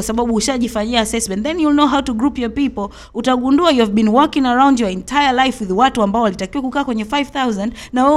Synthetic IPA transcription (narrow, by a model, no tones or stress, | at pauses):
wasaɓaɓuuʃaʄifaɲiaːsɛsmɛ̃ntðɛ̃njulnoɦawtuɡɹupjɔpipɔl | utaɠunduajuavbĩnwɔkĩŋaɹãw̃ndjɔɛ̃ntʰajalajfwiðwatuambaɔwalitakiwakukaːkwɛɲɛfajv̥θawzãndnawɛ